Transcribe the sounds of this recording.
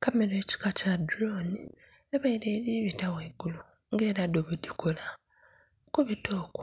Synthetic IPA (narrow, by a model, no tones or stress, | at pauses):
kame̞loeci̥kacadɾoni | aβaiɾeːɾiβitaweːɡulu | ŋɡe̞ːɾadoβudikʰola | okuβitoːku̥